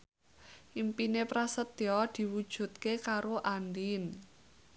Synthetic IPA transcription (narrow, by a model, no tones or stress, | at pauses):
ʔimpinepɾasət̪jɔd̪̥i̤wud̥ʒ̥ṳt̪̚kekaɾoʔand̪in